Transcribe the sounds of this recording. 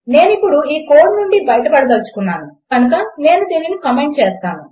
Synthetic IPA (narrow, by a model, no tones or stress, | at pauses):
ne̞ːnipːuɽuiːkoːʈnuɳɖibɐjɐʈɐpɐɽɐd̪ɐlut͡ʃu̥kunːaːnukɐnuk̬ɐne̞ːnud̪iːninikɐmeːɳʈ̚t͡ʃeːst̪aːnu